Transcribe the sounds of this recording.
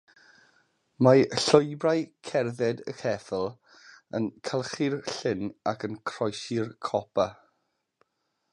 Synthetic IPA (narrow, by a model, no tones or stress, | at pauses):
maɬʊjbrajkʰɛrðɛdə̰kʰɛθəlˠ | ənkʰalˠχirɬɪnakʰənkʰr̥ɔjsɪrkʰɔpʰa